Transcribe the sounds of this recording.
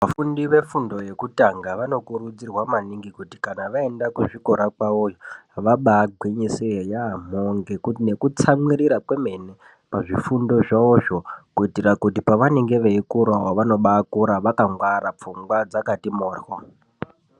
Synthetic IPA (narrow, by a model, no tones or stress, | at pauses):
ʋafundiʋe̞fundo̞je̞kutaŋɡaʋano̞kuɾud͡zirwamaniŋɡikuti̥kanaʋae̞ndakuʐiko̞ɾakwawojoɦaʋaɓaːɡʱwiɲisijejaam̤oŋɡe̞kutine̞kut͡samwiriɾapwe̞me̞ne | paʐifundo̞ʐaoʐokuitirakutipaʋaneŋɡe̞ʋeikuɾwawoʋano̞ɓaːkuɾaʋakaŋɡwaɾap͡fuŋɡwad͡zakatimoːrwo